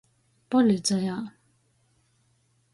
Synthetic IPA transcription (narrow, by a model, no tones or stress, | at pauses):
palet͡sajaʔ